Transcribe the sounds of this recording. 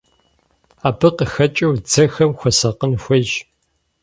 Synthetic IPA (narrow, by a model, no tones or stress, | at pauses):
aːbɨqəxɐt͡ʃʼɐwd͡zɐxɐmxʷɔsɐqənxʷɐʒ